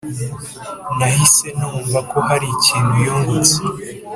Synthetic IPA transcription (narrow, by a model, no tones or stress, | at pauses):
nahise̞nuːɱvako̞haɾiciːndujoːŋɡuse